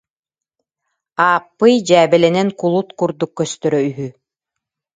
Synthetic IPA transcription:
aːpːɯjd͡ʑæːbɛlɛnɛnkulˠut̪kuɾd̪ukːœst̪œɾœyɦy

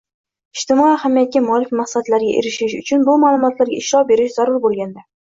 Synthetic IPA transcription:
ɪʃt̪ɪmɒihamjat̪̚kʲːamɒlɪkʲmaqsad̪laɾɡʲaʔeɾɪʃɪʃʊt͡ʃʰʊnbʊmaːlˠʊmɒt̪laɾɡʲa̰ɪʃɾɒbe̞ɾɪʃz̥aɾʊɾbolˠɡʲand̪a

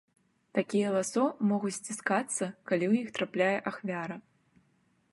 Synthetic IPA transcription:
t̪akʲijɛlˠasɔmɔɣut͡sʲsʲt͡sʲiskat̪sːɐkalʲiwjixt̪ɾaplʲajɛʔaxvʲaɾɐ

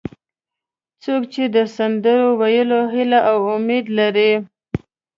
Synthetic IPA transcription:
t͡sokt͡ʃed̪əsand̪əɾowajəloɦɪlaʔawʊmed̪laɾi

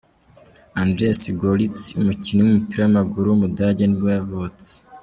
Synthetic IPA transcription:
andɾesiɡolitumucinowumupiɾowamaɡuɾumudaɟenibajaβot͡se̥

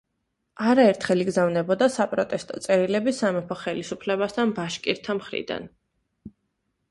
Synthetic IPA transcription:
aɾaɛɾt̪ʰχɛliɡzavnɛbɔd̪asapʼɾɔt̪ʼɛst̪ʼɔt̪sʼɛɾilɛbisamɛpʰɔχɛlisupʰlɛbast̪ʰanbaʃkʼiɾt̪ʰamχɾḭd̪a̰n

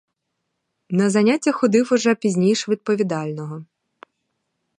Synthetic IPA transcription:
nɐzɐnʲatʲːɐxɔd̪ɪwɔʒɛpʲizʲnʲijʃʋʲid̪̚pɔʋʲid̪ɑlʲnɔɦɔ

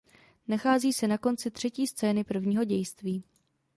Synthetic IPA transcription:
naxaːziːsɛnako̞nt͡sɪt̪r̝̥ɛciːst͡sɛːnɪpr̩vɲiːɦo̞ɟɛjst̪viː

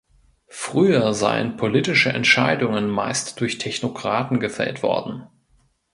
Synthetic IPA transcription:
fʁ̥yːɐza̰ɪə̰npʰoliːtɪʃəʔɛ̰ntʃaɪdʊŋənmaɪstd̥ʊɐçtʰɛçnokʁ̥aːtn̩ɡəfɛ̰ltv̥ɔ̰ɐdn̩

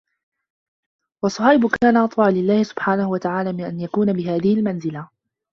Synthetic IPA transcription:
wɑsˤːɑhaʔɪbʊkaːnaʔɑt̪ˤwɑʕlɪlːaːhɪsʊ̥b̥ħaːnahʊwat̪aʕaːlaːmɪnʔanjakuːnabɪɦaːðɪhɪlmanzɪla

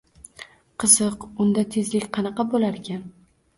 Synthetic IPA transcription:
qʰɨzɨqʊnd̪at̪ʰe̞zlɪkʲqʰɑnɑqɑbolaɾkʲan

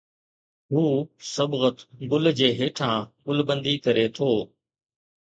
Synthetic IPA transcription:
ɦuːsəbɣət̪ɡʊld͡ʑeːɦeːʈʰãːɠʊlbə̃nd̪iːkəɾeːt̪ʰoː

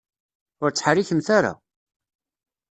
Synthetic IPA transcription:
ʊɾt͡sːħɾiçəmθaɾa̰

